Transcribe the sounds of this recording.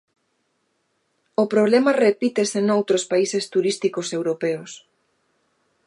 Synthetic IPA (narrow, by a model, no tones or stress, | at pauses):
opɾoβlemɐrepit̪esenowt̪ɾospaisest̪uɾist̪ikosewɾopeos